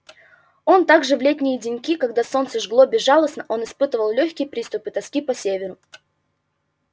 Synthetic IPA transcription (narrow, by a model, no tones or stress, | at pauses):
o̞nt̪aɡʐɨvlʲetʲnʲɪjədʲɪnʲkʲikɐɡd̪aso̞nt̪səʐɡlˠobʲɪʐalˠəsnəʔo̞nɪspɨt̪əvəlˠlʲɵçʲkʲɪjpɾʲist̪ʊpɨt̪ɐskʲipɐsʲevʲɪɾʊ